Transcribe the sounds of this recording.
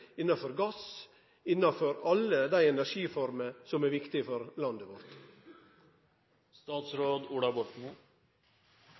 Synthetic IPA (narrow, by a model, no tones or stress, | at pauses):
ɪnːɑfɔɾɡɑs | ɪnːɑfɔɾɑləd̪æɪɛnæɾʂiːfɔɾməsɔmæːɾʋɪkt̪ɪfɔɾlɑnd̪əʋɔɾt̪ | st̪ɑːt̪sɾoːd̪uːɽɑbɔʈmu